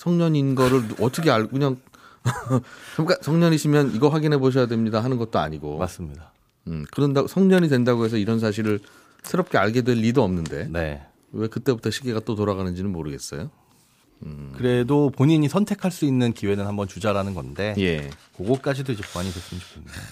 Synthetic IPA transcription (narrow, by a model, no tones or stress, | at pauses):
sʰʌŋɲʌɲinɡʌɾɯɭʌtʰʌkʰeakɯɲaŋ | t͡ɕamk͈asʰʌŋɲʌɲiɕʰimjʌniɡʌɸwaɡinɦe̞boɕ̬ʰʌjadwe̞mɲidaɦanɯnɡʌt̚t͈oa̰ɲiɡomas͈ɯmɲida | ɯkɯɾʌndaosʰʌŋɲʌɲidwendaɡoe̞s̬ʰʌiɾʌns̬ʰaɕ̬ʰiɾɯɭ | sʰeɾʌp̚k͈e̞aɭɡe̞dwe̞ʎːidoʌmnɯnde̞̰ne̞̰ | we̞kɯt͈e̞butʰʌɕʰiɡeɡat͈otoɾaɣanɯnd͡ʑinɯnmoɾɯɡe̞s͈ʌ̰jo | ɯkɯɾe̞dopoɲiɲisʰʌntʰe̞kʰaɭs͈uinːɯnkiwe̞nɯnhambʌnt͡ɕud͡ʑaɾanɯnɡʌnde̞je̞koɡok͈ad͡ʑidoid͡ʑe̞puaɲipes͈ɯnd͡ʑʰi̥k͈ʰɯa